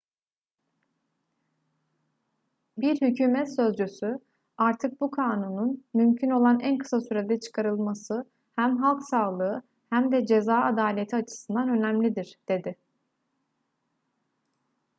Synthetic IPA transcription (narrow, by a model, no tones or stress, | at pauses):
biɾhycʰyːmɛt̪sø̞zd͡ʒysy | aɾt̪ʰɯk̚bukʰaːnununmymcʰino̞lˠanænkʰɯ̥sasyɾed̪ɛt͡ʃʰɯ̥kʰaɾɯlˠmasɯ | hæmɦalˠksaːlˠɯɯ | hæmd̪ɛd͡ʒe̞zaːad̪aːlʲet̪ʰiat͡ʃʰɯ̥sɯnd̪anø̞næmlʲid̪iɾ̥d̪̥e̞d̪ɪ